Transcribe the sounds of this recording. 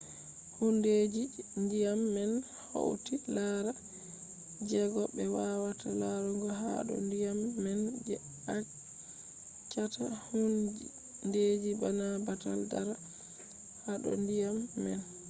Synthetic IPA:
hunded͡ʒindijamːɛn | ho̰wtilaɾa | d͡ʒɛɡɔbɛwawatalaɾuŋɡɔɦa̰ɗɔ̰ndijamːɛn | a | t͡ʃːatahun | ded͡ʒibanabataldaɾa | haɗɔ̰ndijamːɛn

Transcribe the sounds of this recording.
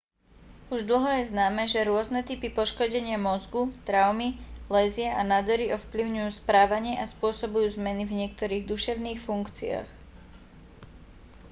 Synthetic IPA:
uʒd̪l̩ˠɦɔjɛznaːmɛʒɛɾʊɔznɛt̪ipipɔʃkɔɟɛɲɪamɔzɡut̪ɾaʊmilɛzɪɛʔanad̪ɔɾiɔfpliʊɲujuːspɾaːʋaɲɪɛʔaspʊɔsɔbujuːzmɛnivɲɪɛk̚t̪ɔɾiːɣd̪uʃɛʊniːxfuŋkt͡sḭa̰ːx

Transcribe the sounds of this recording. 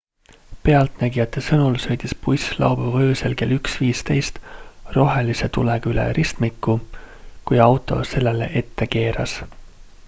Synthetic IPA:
pe̞ɑlt̪næɡijɑt̪ːˑe̞sɤnulsø̞jd̪̥ispujslɑ̰wb̥uvɤːse̞lke̞lyksviːst̪e̞jst̪ro̞ɦe̞lise̞t̪uleɡylḛɾʔist̪mikːˑukujɑwt̪ˑo̞̰se̞lːe̞lḛʔe̞t̪ːe̞ke̞ːɾɑs

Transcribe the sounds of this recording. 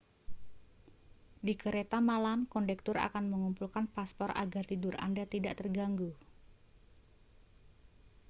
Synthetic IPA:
dikəɾet̪amalamkɔndɛk̚t̪ʊra̰kanməŋumpulkanpaspɔra̰ɡart̪idʊra̰ndat̪idaʔt̪ərɡaŋɡu

